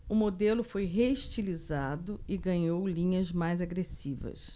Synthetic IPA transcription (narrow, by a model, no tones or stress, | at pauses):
ʊmod̪elʊfojɦeiʃt͡ʃilizad̪ʊɪɡɐ̃ɲowlĩɲɐzmajzaɡɾesivɐ̰s